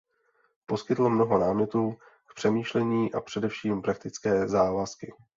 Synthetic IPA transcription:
po̞skɪt̪l̩mno̞ɦo̞naːmɲɛt̪uː | kpr̥ɛmiːʃlɛɲiːʔa̰pr̥ɛdɛfʃiːmpɾak̚t̪ɪt͡skɛːzaːvaskɪ

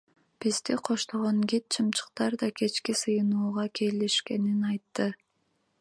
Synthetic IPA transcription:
b̥izd̪iqʰo̞ʃt̪oʁoŋɡit̪̚t͡ʃʰɯmt͡ʃʰɯ̥q̚t̪ɑɾd̪ɑkʰe̞t͡ʃkisɯjɯnuːʁɑkʰe̞liʃke̞ninɑjt̪ːɯ

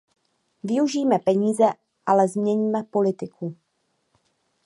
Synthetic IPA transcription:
vɪuʒiːmɛpɛɲiːzɛ | ʔalɛzmɲɛɲiːmɛpo̞lɪt̪ɪkʰu

